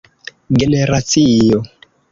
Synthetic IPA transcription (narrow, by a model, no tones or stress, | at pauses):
ɡeneɾat͡sijo